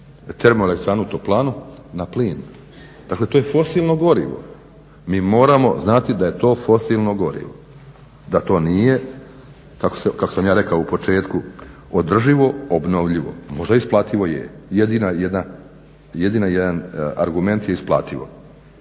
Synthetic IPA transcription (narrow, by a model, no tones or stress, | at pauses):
t̪eɾmoelekt̪ɾaːnut̪oplˠaːnunapliːn | d̪aːkle̞t̪oje̞fo̞silˠno̞ɡo̞ɾḭʋo̰ | miːmo̞ːɾamo̞̰znat̪id̪aje̞t̪o̞ːfo̞silˠno̞ɡo̞ɾḭʋo̰ | d̪at̪o̞ːnije̞ | kakosekako̞samjaːɾe̞kaoupo̞t͡ʃe̞ːt̪ku | od̪r̩ʒiʋo̞obno̞ʋʎiʋo̞̰mo̞ʒd̪aisplˠaːt̪iʋo̞jḛjed̪inajed̪na | jed̪inajed̪ana̰ɾɡume̞nt̪jeisplˠa̰ːt̪iʋo̞̰